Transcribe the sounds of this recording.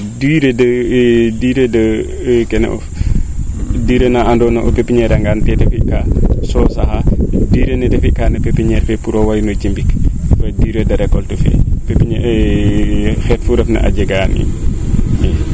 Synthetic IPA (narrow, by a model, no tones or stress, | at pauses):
diːɾədədiːɾədɐ | kɛnɛ̰ʔɔ̰f | diːɾənaandɔnɐʔɔpepːiɲɛːɾaŋɡaːntɛtɐfikasɔːsahadiːɾənɛtɛfikanɐpɛpːiɲɛɾfɛpuɾɔwajnod͡ʒimbikfɐdiɾədɐɾɛkːɔltufɛ̰pepːiɲ | xɛːtfuɾɐfnɐ̰ʔa̰d͡ʒɐɡaːnḭ | ɛ